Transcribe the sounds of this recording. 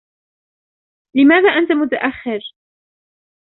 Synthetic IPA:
lɪmaːðaːʔant̪amʊt̪aʔaxːɪɾ

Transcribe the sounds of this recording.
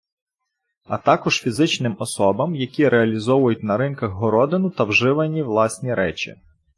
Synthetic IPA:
ɐt̪ɑkɔʒ̥fʲizɪt͡ʃnɪmɔsɔbɐmjɐkʲiɾʔeɐlʲizɔʋʊjʊt̚ʲnɐɾɪnkɐɣɦɔɾɔd̪ɪnʊt̪ɐwʒɪʋɐnʲiwlˠɑsʲnʲiɾɛt͡ʃḭ

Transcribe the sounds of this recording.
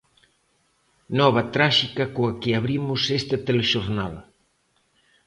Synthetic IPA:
nɔβ̞ɐt̪ɾaʃikɐkoɐkɪaβɾimʊsest̪ɐt̪eleʃoɾnal

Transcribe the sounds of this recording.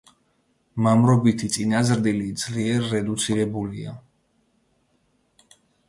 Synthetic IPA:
mamɾɔbit̪ʰit̪sʼinazɾd̪ilid̪z̥liɛɾːɛd̪ut̪sʰiɾɛbulia

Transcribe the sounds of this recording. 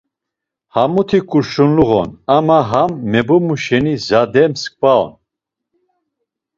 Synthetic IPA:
hamut̪ʰikʼuɾʃunluɣɔ̰namaɦamːɛbumuʃɛnizad̪ɛmsk̚ʼpaɔ̰n

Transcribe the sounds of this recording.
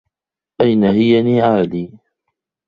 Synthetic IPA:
ʔajnaɦɪjaniːʕaːliː

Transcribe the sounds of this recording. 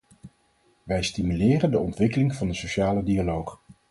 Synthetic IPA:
ʋɛjstimylɪːrəndəɔntʋɪkəlɪŋv̥ɑndəsoʃaːlədialowχ

